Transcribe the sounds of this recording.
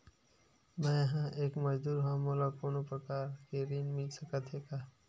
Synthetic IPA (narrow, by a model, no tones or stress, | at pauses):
mɛ̃ɦãʔeːkməd͡ʒd̪uːɾɦãːmolapʊɾnopɾəkaːɾkeɾinmilsəkət̪ʰeːkaː